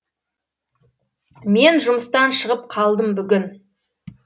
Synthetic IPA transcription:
me̞nʒʊməst̪ɑnʃəʁəp̚qʰɑlˠd̪əmbʏɡʲɪn

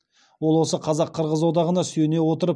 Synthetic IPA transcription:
wo̞lˠwo̞səqʰɑzɑqʰːəɾʁəzwod̪ɑʁənɑsjene̞wo̞t̪əɾəp

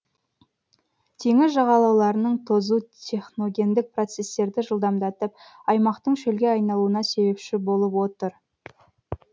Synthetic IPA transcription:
t̪ʰe̞ŋɪzʒɑʁɑlˠɑwlˠɑɾənəɴt̪ʰo̞zut̪ʲʰe̞χnoɡʲe̞nd̪ɪk̚pro̞t̪se̞st̪e̞ɾd̪ɪʒəlˠd̪ɑmd̪ɑt̪əp̚ɑjmɑqt̪əɴʃɵlɡʲe̞ɑjnɑlˠuənɑse̞bepʃɪbo̞lˠəpwo̞t̪əɾ

